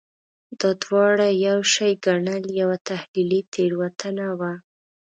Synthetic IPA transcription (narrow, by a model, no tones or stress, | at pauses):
d̪ɑd̪wɑɽajawʃajɡaɳəljawat̪ahlilit̪ʰeɽwat̪ʰənawa